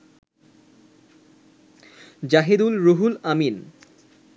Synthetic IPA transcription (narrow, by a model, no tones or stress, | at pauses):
d͡ʑaɦed̪ulɾoɦulamin